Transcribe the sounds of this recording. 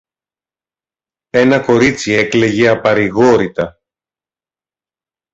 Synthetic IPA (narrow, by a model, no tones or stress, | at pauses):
e̞nɐko̞ɾit͡sie̞kle̞ʝe̞ɐpɐɾiɣo̞ɾit̪ɐ